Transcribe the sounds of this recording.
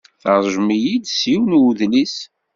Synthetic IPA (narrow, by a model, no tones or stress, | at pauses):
θəɾˤʒmijid̪siwnuðlis